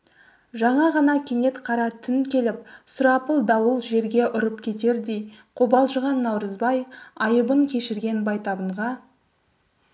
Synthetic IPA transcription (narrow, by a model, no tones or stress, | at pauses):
ʒɑɴɑʁɑnɑkʲʰeŋe̞t̪qʰɑɾɑt̪ʰʏnkʲʰe̞lɪp̚sʊɾɑpəlˠd̪ɑwəlˠʒe̞ɾɡʲe̞ʔʊɾəp̚kʲʰe̞t̪e̞ɾd̪e̞jqʰobɑlˠʒəʁɑnːɑwɾəzbɑjɑjəbəŋkʲʰe̞ʃɪɾɡʲe̞nbɑjt̪ɑbəɴʁɑ